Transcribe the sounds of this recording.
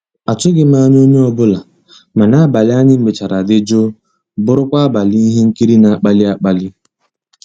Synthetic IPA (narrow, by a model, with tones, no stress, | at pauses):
a˨t͡ʃʊ˦ɡɪ˦m˦a˦ɲ˦o˦ɲe˦ɔ˦bʊ˦la˨ | ma˨na˦ba˨lɪ˦a˦ɲɪ˦m̩˦ɡ͡bɪ˨t͡ʃa˨ɾa˨dɪ˦d͡ʒo˦ | bʊ˦ɾʊ˦kʷa˦a˦ba˨li˦ɦe˦ŋ̩˦ki˦ɾi˦na˨˦k͡pa˦lɪ˦a˦k͡pa˦lɪ˦